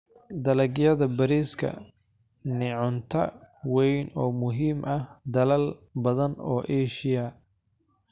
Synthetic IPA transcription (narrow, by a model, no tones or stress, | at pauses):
d̪ɐlɐɡjɐðɐbɐɾiːskʰɐ̰ | nɪʕʊnt̪ʰɐ̰wɛjnɔːmʊɦiːmʔɐhd̪ɐlɐlbɐðɐnɔ̰ːʔɛːʃɪjɐ